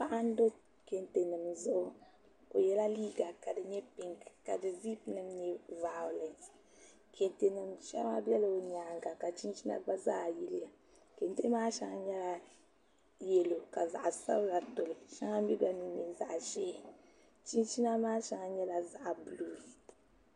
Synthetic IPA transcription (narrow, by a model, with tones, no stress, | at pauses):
pa˦ʔa˦n˦do˦ | ke˨nte˨nɨ˨mzʊ˦ʔ | o˨jɛ˦la˦liː˦ɡa˨ka˨dɨ˨ɲɛ˦pɪ̃˨ŋkka̰˨dɨ˨zi˦pnɨ˦mne˦va˨lɛ˨ | kʰe˨nte˨nɨ˨mʃa̰˦ma˦bɛ˦lo˨ɲa˨ŋɡa˨ka˨t͡ʃi˦n˦t͡ʃi˦na̰˦ba˦za̰˦˨ji˦li˦ja˨ | ke˨n˦te˦maː˦ʃa˦ŋa˦ɲɛ˦la˨ | je˨lo˨ka˨za̰˨ʔsa̰˦wla˨to˨li˨ʃã˦ŋa˦mi˦ba˨ni˨ni˨za̰˨ʔʃeː˦˨ | t͡ʃĩ˦nt͡ʃi˦na˦maː˦ʃa˦ŋa˦ɲɛ˦la˨za˨ʔbu˨lu˦ɾ